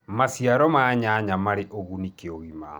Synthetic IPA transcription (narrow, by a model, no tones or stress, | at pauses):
masiaɾɔmaːɲaɲamaɾeʔoɣunikeoɣima̰